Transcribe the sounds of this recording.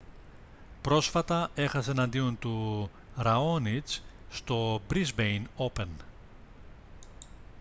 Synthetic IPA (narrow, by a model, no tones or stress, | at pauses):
pɾo̞sfɐt̪ɐe̞xɐseːnɐnd̪io̞nt̪u | ɾɐo̞nit͡sst̪o̞bɾizbejno̞pe̞n